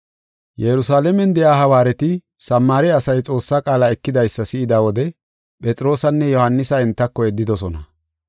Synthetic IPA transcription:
jɛɾʊsaːlɛmɛnd̪ɛjaːɦɐwaːɾɛt̪ɪ | sɐmːaːɾɛɐsɐjt͡sʼo̞ːsːaːkʼaːlaɛkːɪd̪ɐjsːɐsɪɪd̪aːwɔd̪ɛ | pʼɛt͡sʼɪɾo̞ːsɐnːɛjɔhɐnːɪsɐɪnt̪ːɐkːɔɛd̪ːɪd̪ɔsɔnɐ

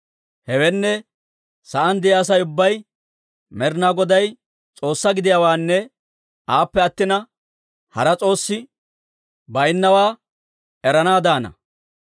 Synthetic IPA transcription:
hɛwɛnːɛ | sɐʔɐnd̪ɪjaːs̬ɐjʊbːɐj | mɛɾnaɡɔd̪ɐj | t͡sʼo̞ːsːɐɡɪd̪ɪjawaːnːɛ | aːpːɛɐt̪ːɪnɐ | hɐ̰ɾɐt͡sʼo̞ːsːɪ | bɐjnːɐwaː | ɛɾɐnaːd̪aːnɐ̰

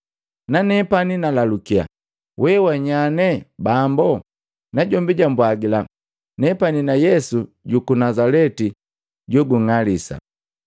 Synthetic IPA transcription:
nanɛpaninalalukia̰ | wʔɛwaɲanɛbambɔ | naɟɔmbiɟambwaɡila | nɛpaninajɛsu | ɟukunazalɛti | ɟɔɡuŋalisa̰

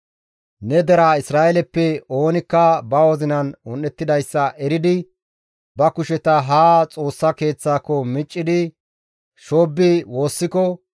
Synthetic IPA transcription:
nɛd̪ɛɾaɪsɾaːʔɛlɛpːɛo̞ːnɪkːɐbɐwɔzɪnɐnʊnːɛt̪ːɪd̪ɐjsːɐʔɛɾɪd̪ɪ | bɐkʊʃɛt̪ɐɦaːt͡sʼo̞ːsːɐke̞ːt͡sːaːkːɔmɪt͡ʃʼːɪd̪ɪ | ʃoːbːɪwo̞ːsːɪkɔ

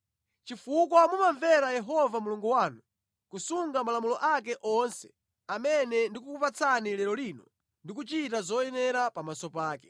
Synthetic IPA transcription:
t͡ʃifuk̬wɔmumaɱvɛɾajɛɦɔvamuluŋɡuwaːnu | kusuŋɡamalamulɔʔak̬ɛʔɔnsɛ̥ | amɛnɛndikukupat͡sʰanilɛɾɔliːnɔ | ndik̬ut͡ʃitazɔjɛnɛɾapamasɔpaːkɛ

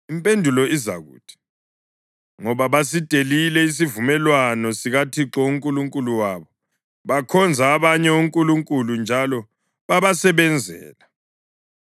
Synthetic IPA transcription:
impʼendʱulɔiza̰ɣṵːtʰi̥ | ŋɔβaβasitʼelilɛis̬ivumɛlwanɔsiɣatʰiǁɔuŋkʼuluŋkʼuluwaːβɔ | βakʰɔnd͡zʱaːβaɲɛuŋkʼuluŋkʼulund͡ʒʱalɔ | βaβasɛβɛnd͡zʱɛ̰ːla

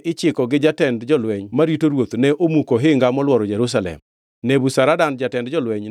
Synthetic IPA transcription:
ʔɪt͡ʃɪkɔɡɪd͡ʒatɛndd͡ʒɔlwɛɲmaɾitoɾwot̪nɛʔomukoɦɪŋɡamɔlwɔɾɔd͡ʒɛɾus̬alɛ̰m | nebusaɾadand͡ʒatɛndd͡ʒɔlwɛɲ

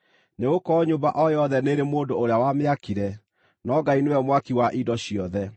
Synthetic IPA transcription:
neɣokɔɲombaʔɔjɔðɛneɾemoːndoːɾeawameakiɾɛ | nɔɡainewɛmwakiwaʔidɔɕiɔðɛ

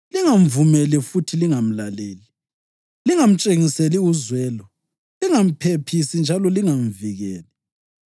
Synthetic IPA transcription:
liŋaɱvumɛlifutʰiliŋam̩laleːli | liŋam̩t͡ʃʼeŋiseliuzwɛːlɔ | liŋam̩pʰepʰisind͡ʒʱalɔliŋam̩viɣɛːlɛ

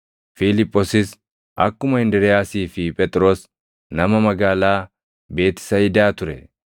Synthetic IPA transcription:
filɪpʼːosɪs | ʔɐkːʊmɐɪnd̪ɛɾɛjaːsiːfɪpʼɛt̪ʼɾo̞ːs | nɐmɐmɐɡaːlaː | be̞ːt̪ɪ̥sɐɪd̪aːt̪ʊɾɛ

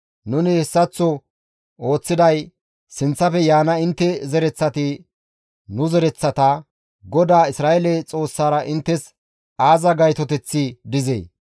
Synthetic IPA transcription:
nʊnɪhɛsːɐt͡sːɔ | o̞ːt͡sːɪd̪ɐj | sɪnt͡sːɐpɛjaːnɐɪnt̪ːɛzɛɾɛt͡sːɐt̪ɪ | nʊzɛɾɛt͡sːɐt̪ɐ | ɡɔd̪aːɪsɾaːʔɛlɛt͡sʼo̞ːsːaːɾɐʔɪnt̪ːɛs | aːzɐɡɐjt̪ɔt̪ɛt͡sːɪd̪ɪzḛː

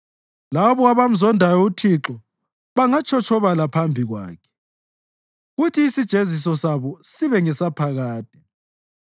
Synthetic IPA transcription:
laβɔaβam̩zɔndʱajɔutʰiǁɔ | βaŋat͡ʃʰɔt͡ʃʰɔβalapʰambʱiɣwa̰ːkʰɛ̥ | ɣutʰiːsid̥ʒ̥ʱezisɔsaβɔsiβɛŋɛsapʰaɣaːd̥ʱɛ

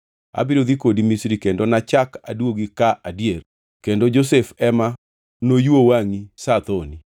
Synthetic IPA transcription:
a̰biɾod̪ikodimisɾikendonat͡ʃaka̰dwoɡikaʔadijer | kendod͡ʒos̬efɛma | nojwowaŋisat̪oni

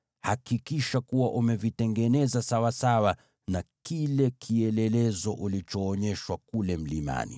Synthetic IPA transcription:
hakikiʃakuwaʔumɛvitɛŋɡɛnɛzasawasawa | nakilɛkʰiɛlɛlɛzɔʔulit͡ʃɔːɲɛʃwakulɛm̩lima̰nḭ

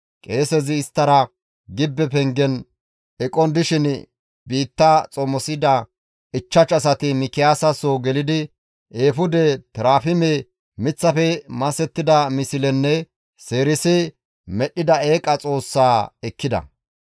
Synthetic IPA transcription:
kʼe̞ːsɛzɪːst̪ːɐɾɐ | ɡɪbːɛpɛŋɡɛn | ɛkʼɔnd̪ɪʃɪn | biːt̪ːɐt͡sʼɔmɔsɪd̪ɐ | ɪt͡ʃːɐt͡ʃɐs̬ɐt̪ɪmɪkɪjaːsɐsoɡɛlɪd̪ɪ | eːfʊd̪ɛt̪ɪɾaːfɪme | mɪt͡sːɐfɛmɐsɛt̪ːɪd̪ɐmɪsɪlɛnːɛ | se̞ːɾɪsɪ | mɛɗːɪd̪ɐeːkʼɐt͡sʼo̞ːsːaːɛkːɪd̪ɐ̰

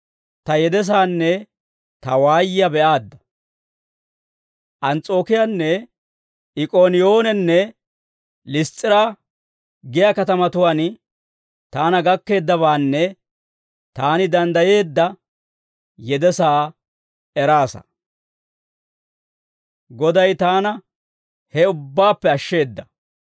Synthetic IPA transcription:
t̪ɐjɛd̪ɛs̬aːnːɛ | t̪ɐwaːjɪjɐbɛʔaːd̪ːɐ̥ | ʔɐnt͡sʼo̞ːkɪjanːɛ | ʔɪkʼo̞ːnɪjo̞ːnɛnːɛ | lɪst͡sʼːɪɾa | ɡɪjakɐt̪ɐmɐt̪ʊwaːn | t̪aːnɐɡɐkːe̞ːd̪ːɐβaːnːɛ | t̪aːnɪd̪ɐnd̪ɐje̞ːd̪ːɐ | jɛd̪ɛsaː | ɛɾaːsɐ̰ | ɡɔd̪ɐjt̪aːnɐ | hɛʊbːaːpːɛɐʃːe̞ːd̪ːɐ

